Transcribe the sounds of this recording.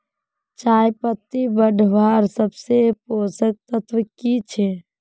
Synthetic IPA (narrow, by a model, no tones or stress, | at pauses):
t͡ʃajpət̪ːibəɖʱbaɾsəbseposək̚t̪ət̪ʰʋəkit͡ʃʰe